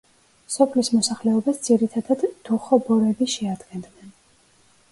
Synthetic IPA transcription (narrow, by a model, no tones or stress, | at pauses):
sɔpʰlismɔsaχlɛɔbasd̪z̥iɾit̪ʰad̪ad̪̥ːuχɔbɔɾɛbiʃɛad̪ɡɛnd̪nɛn